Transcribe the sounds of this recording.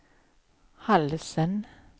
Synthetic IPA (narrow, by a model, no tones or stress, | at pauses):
hɑlsən